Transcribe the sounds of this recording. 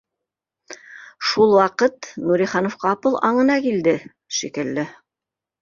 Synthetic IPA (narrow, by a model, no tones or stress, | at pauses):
ʃulˠwɑqɤt̪nuɾiχɑnŏfqɑːpɤlˠʔɑɴɤ̆nɑkild̪ɘ | ʃikɘ̆lːɘ